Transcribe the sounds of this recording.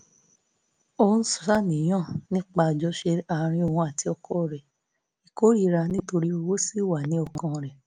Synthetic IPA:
õ˧˦n̩˦su̥˨sa˦˨nĩ˨j̃ã˦˨nĩ˦k͡pa˧˨d͡ʒɔ˧˦ʃe˧a˨˧ɾ̃ĩ˧˦o˧˨hũ˧˦a˨ti˨˦ɔ˧kɔ˦˨ɾɛ˨ | i˨ko˨˦ɾi˦ɾa˧nĩ˦to˧ɾi˦o˧wo˦si˦˨wa˨nĩ˨˦ɔ˦˨kʰã˧ɾɛ˨

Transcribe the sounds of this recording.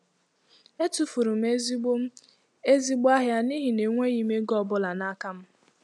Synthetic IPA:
e˦tu˨fu˨ɾu˨m̩e˦ | e˦zi˦ɡ͡ba˦ɦja˦ni˦ɦi˨ne˨ŋʷe˦i˦me˦ɡɔ˦˨bʊ˦la˨na˦ka˦m̩˦

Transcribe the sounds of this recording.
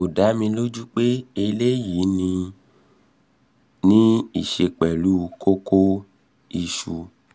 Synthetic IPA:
o˨da˨˦mĩ˧lo˦d͡ʒu˦k͡pe˦e˧le˦ji˨˦nĩ˧ | nĩ˦i˦˨ʃe˧k͡pɛ˨lu˨˦˧kʰo˦kʰo˦ | i˧ʃu˧

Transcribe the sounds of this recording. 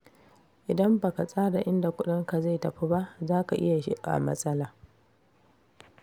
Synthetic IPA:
ʔɪ˨dɐ˦mba˨ka˨sʼaː˦da˨ʔɪ˦nda˨kʷʊ˦ɗɪ˦ŋka˨za˦˨jtɐ˨ɸi˦ba˦ʔzaː˦ka˨ʔɪ̰˦ja˨ʃḭ˦ka̰˨mɐ̰˦sʼɐ˦laː˨

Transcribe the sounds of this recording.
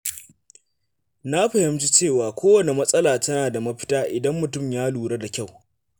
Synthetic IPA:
na˦ɸɐ˨hɪ˦mt͡ʃi˦t͡ʃeː˦˨waː˨kʷoː˦wɐ˨ne˨mɐ˦sʼɐ˦laː˨tɐ˦naː˨da˨mɐ˦ɸɪ̥˦taː˦ʔɪ˨dɐ˦mːʊ˨tʊ˦˨mjaː˦luː˨ɽe˦da˨kʲa˦˨w

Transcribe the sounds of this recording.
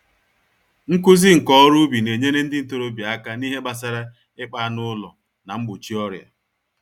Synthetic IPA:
ŋ̩˦kʊ˦zɪ˦ŋ̩˨kɔ˦ɔ˦ɾʊ˦bi˨ne˨ɲe˦ne˦n̩˦dɪ˦n̩˨to˦ɾo˦bja˦ka˦ni˦ɦe˦ba˦s̬a˦ɾa˦ | ɪ˦k͡pa˦nʊ˦lʊ̰˨ | na˨ŋ͡m̩˦ɡ͡bʊ˨t͡ʃi˦ɔ˦ɾja̰˨

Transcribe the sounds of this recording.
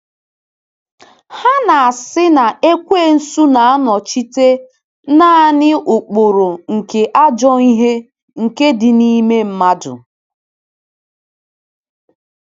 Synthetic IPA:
ha˦na˨a˨sɪ˦na˨e˦kʷe˦˨n̩˦su˦na˨a˦nɔ˨t͡ʃi˦te˦ | na˦a˦˨nɪ˦ʊ˨k͡po˨ɾo˨ŋ̩˨ke˨ʔa˦d͡ʒɔ˦i˦ɦe˦ | ŋ̩˨ke˦dɪ˨ni˦me˦m̩˦ma˦dʊ̰˨

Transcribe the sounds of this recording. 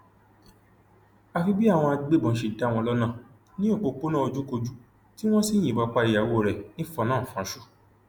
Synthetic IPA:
a˧fi˧bi˦a˦˨w̃ɔ̃˧a˧ɡ͡be˦˨bɔ̃˨˦ʃe˧da˦˨wɔ̃˧lɔ˦nãː˦˨ | nĩ˦o˦˨k͡po˧k͡po˦nã˦o˧d͡ʒũ˦ko˧d͡ʒu˦ | ti˦w̃ɔ̃˦si˦˨j̃ĩ˨ba˧k͡pa˧˦i˨ja˨wo˦˨ɾɛ˨nĩ˦fɔ˧nãː˦˨fã˨˦ʃu̥˦˨

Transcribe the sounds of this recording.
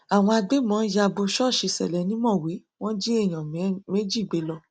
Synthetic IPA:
a˨w̃ɔ̃˧a˧ɡ͡be˦mɔ̃ː˨˦ja˧bo˧ʃɔ˦˨ʃi˧sɛ̰˨lɛ˨˦nĩ˦mɔ̃˦˨we˨˦ | w̃ɔ̃˦d͡ʒi˦e˦˨j̃ɔ̃˨me˦d͡ʒi˦˨ɡ͡be˨˦lɔ˧˦

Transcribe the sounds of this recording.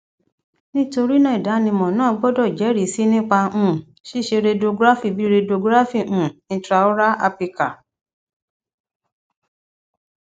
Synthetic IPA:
nĩ˦to˧ɾi˦nã˦i˨da˨˦nĩ˧mɔ̃˨nãː˦˨˧ɡ͡bɔ˦dɔ˦˨d͡ʒɛ˨˦ɾi˨˦si˦nĩ˦k͡pã˧˦˨ | ʃi˦˨ʃe˧ɾe˧do˧ɡɾa˦fi˦˨bi˨˦ɾe˧do˧ɡɾa˦fi˦˨ʔũ˨˧tɾa˧o˦ɾa˦a˧pi˧ka˨

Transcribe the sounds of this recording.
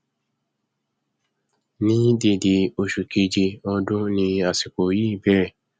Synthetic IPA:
nĩ˦de˦˨de˧o˧ʃu˨ke˧d͡ʒe˧ɔ̃˧dõ˦nĩ˧a˨si˨k͡po˨ji˦˨bɛ˦ɾɛ˦˨

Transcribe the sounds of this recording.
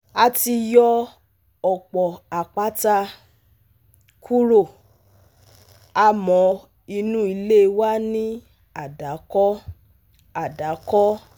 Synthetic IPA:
a˧ti˧jɔ˧ | ɔ˨k͡pɔ˨a˨k͡pa˨˦ta˧ | kʰu˦ɾo˨ | a˧mɔ̃˨˧ | i˧nũ˦i˧le˦˧wa˦nĩ˦ | a˦˨da˨˦kɔ˦ | a˨da˨˦kɔ˦

